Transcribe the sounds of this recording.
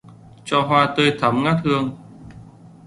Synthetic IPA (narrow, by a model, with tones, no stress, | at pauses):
t͡ɕɔ˧ɦwaː˧t̪əː˧jt̪ʰa˨˦mŋaː˦˥t̚hɨ˧əŋ